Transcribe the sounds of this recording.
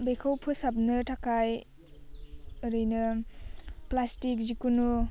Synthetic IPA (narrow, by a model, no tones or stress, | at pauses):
bekʰawpʰɯsap̚nɯtʰakaj | ɾɯjnɯ | plastik̚zikunu